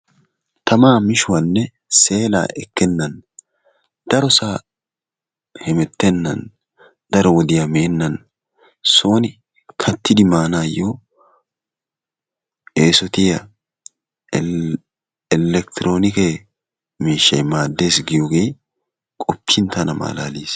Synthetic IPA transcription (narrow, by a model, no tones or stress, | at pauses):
t̪ʰɐmaːmɪʃʊwɐnːɛ | se̞ːla̰ːʔɛkːɛnːɐn | d̪̥ɐɾɔsaː | hɛmɛt̪ːɛnːɐ̰n | d̪̥ɐɾɔwɔd̪ɪjɐmeːnːɐn | so̞ːnɪ | kʰɐt̪ʰːɪd̪ɪmaːnaːjoː | eːsɔt̪ɪjɐ̰ | ɪlɛkt̪ɪɾo̞ːnɪke | miːʃːɐjmaːd̪ːe̞ːsɡɪjoɡe̞ː | kʼɔpːɪnt̪ɐnɐma̰ːla̰ːliːs